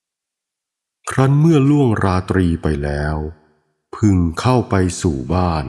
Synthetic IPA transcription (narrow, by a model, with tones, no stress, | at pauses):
kʰɾa˦˥nmɯ˥˩ɐlu˥˩əŋɾaː˧t̪ɾiː˧pa˧jlɛː˦˥w | pʰɯ˧ŋkʰa˥˩wpa˧jsuː˨˩baː˥˩n